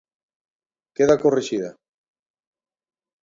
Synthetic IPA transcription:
keðakoreʃiða

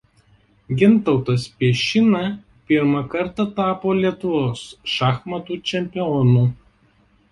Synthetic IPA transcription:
ɡʲɪnˑt̪ɒʊt̪ɐspʲiɛʃʲɪnɐ | pʲɪɾmɐkɐɾt̪ɐt̪ɑːpoːlʲiɛt̪ʊʋoːsʃɑxmɐt̪uːt͡ʃʲɛmʲpʲɪɔnuː

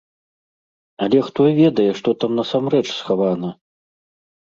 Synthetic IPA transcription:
ɐlʲɛxt̪ɔvʲɛd̪ɐjɛʂt̪ɔt̪amnɐsamrɛt͡ʂsxavanɐ

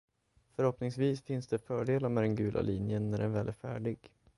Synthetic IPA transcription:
fœɾhɔpnɪŋsviːsfɪnsd̪ɛfœːɖeːlaɾmɛd̪ɛnɡʉ̟ːla̰liːnjənːæɖɛnvɛːlæɾfæ̰ːɖɪɡ

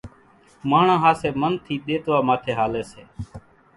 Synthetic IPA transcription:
maːɳãːɦaːseːmənt̪ʰiːɗ̪eːt̪ʋaːmaːt̪ʰeːɦaːleːseː

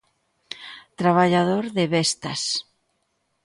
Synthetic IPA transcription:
t̪ɾaβaʎaðoɾðɪβɛst̪ɐs

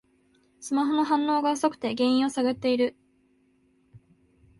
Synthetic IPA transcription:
sɨmaɦo̞no̞ɦãnːo̞ːɡaso̞kɯ̟̥t̪e̞ɡẽ̞ɰ̃ĩɰ̃o̞saɡɯ̟t̪ːe̞iɾɯ̟

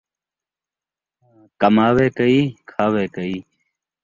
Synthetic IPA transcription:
kɐmaːweːkəiːkʰaːweːkəiː

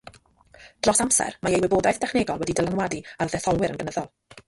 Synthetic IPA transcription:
d̥rɔsamsɛ̰rmaejwɪboːdajθd̥ɛχneːɡɔlˠwɛdidəlˠanwadiarðɛθɔlˠwɪɾənɡənəðɔlˠ

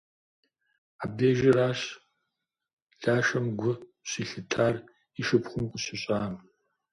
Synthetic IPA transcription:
aːbdeːʒɐɾaːɕ | ɮaːʃɐmɡʷʊɕiːɬɨtʰaːr | iʃɨpχʷʊmkʷʼʊɕɪɕʼaːm

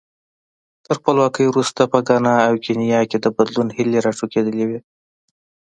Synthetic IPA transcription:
t̪əɾxpəlwɑkəjwɾust̪apəɡɑnɑːwkenijɑked̪əbad̪lunhɪleɾɑʈ͡ʂoked̪əlewi

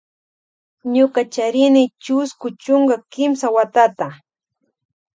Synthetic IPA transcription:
ɲʊkat͡ʃaɾɪnɪt͡ʃʊskʊt͡ʃʊŋɡakɪmsawat̪at̪a

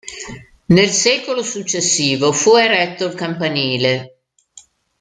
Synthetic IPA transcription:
nelsɛːkolosut͡ʃːesːiːvofueɾɛt̪ːoilkampaniːle

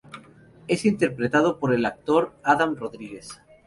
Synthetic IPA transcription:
e̞sint̪e̞ɾpɾet̪að̞opoɾe̞lak̚t̪o̞ɾaðamroðɾiɣe̞s

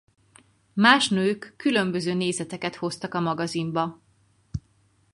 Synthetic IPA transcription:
maːʃnøːkːylø̞mbø̞zøːneːzɛt̪ɛkɛt̪ho̞st̪ɒkɒmɒɡɒzimbɒ

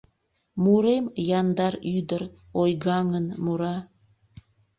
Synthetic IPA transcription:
muɾemjɑnd̪ɑɾyd̪əɾ | ojɣɑŋənmuɾɑ

